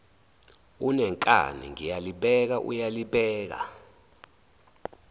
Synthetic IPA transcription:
unɛŋkʼa̰nḭŋijaliɓɛk̬aʔṵjaliɓɛːk̬a̰

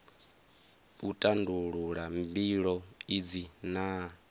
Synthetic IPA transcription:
utʼanduɺuɺambiɺɔid͡zina

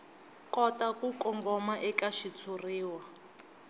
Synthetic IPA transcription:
kɔtakukɔŋɡɔmaʔɛkaʃit͡sʰuriːwa

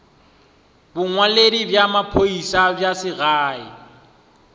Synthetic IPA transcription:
bʊŋwaledibjamapʰoisabjasɪɣaːɪ̰

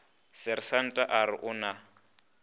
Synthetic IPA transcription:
sɪɾɪsan̩tʼaʔaɾɪʔʊna

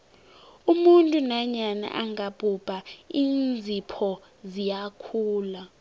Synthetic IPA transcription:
umuntʼunaɲana̰ʔaŋab̥ʱʼubʼʱaiːnnd͡zʱipʰɔ | zijakʰuːla

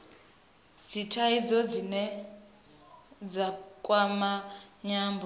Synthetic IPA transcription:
d͡zitʰaid͡zɔd͡zinɛ | d͡zakʼwamaɲaːmbɔ

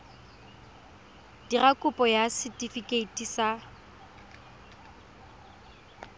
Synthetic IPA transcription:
d̥irakʼʊpʼɔjasɪtʼifikʼeitʼisa

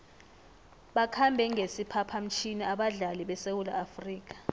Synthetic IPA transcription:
ɓakʰambʱɛŋɡʱesipʰapʰam̩t͡ʃʰiniaɓaɮaliɓɛsewula̰ːfriːk̬ḁ

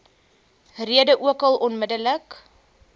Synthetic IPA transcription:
riədəʔuəkɐlˠɔnmədələk

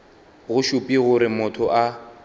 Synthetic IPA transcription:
ɣʊʃupʼiɣʊɾɪmʊtʰɔʔa

